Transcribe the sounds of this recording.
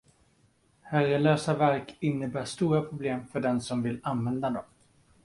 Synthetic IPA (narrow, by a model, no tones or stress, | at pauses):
hæɾəløːsavæɾkɪnːəbæːʂt̪uːɾapʰɾʊbleːmfœɖɛnsɔmvɪlanvɛnd̪ad̪ɔm